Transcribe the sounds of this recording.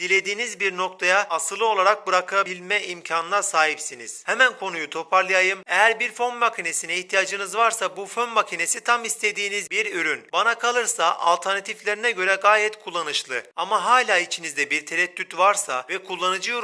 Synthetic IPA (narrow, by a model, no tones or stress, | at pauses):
d̪̥ilʲe̞d̪iːnizbiɾno̞k̚t̪ʰajaːsɯlˠɯo̞lˠaɾak̚bɯɾakʰabilʲmɛimcʰanɯlˠaɾsaːɦipsinḭz̥hɛmænkʰo̞nujut̪ʰo̞pʰaɾlˠɯjajɯmejæɾbiɾfo̞nmacʰine̞sinɛiht̪ʰijaːd͡ʒɯnɯzvaɾsabufønmacʰine̞sit̪ʰamist̪ʰe̞d̪iːnizbiɾyɾynbanakʰalˠɯɾsaʔa̰lʲˠt̪ʰɛɾnat̪ʰiflʲe̞ɾinɛɟø̞ɾɛɡaːjɛt̪kʰulˠːanɯʃlˠɯamaɦaːlʲaːit͡ʃʰinizd̪ɛbiɾt̪ʰeɾɛt̪ːyt̪vaɾsa̰vɛkʰulˠːanɯd͡ʒɯjo